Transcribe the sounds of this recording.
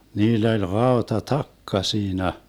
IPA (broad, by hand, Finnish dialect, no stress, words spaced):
niːlː olʲ rɑotɑtɑkːɑ siːnæ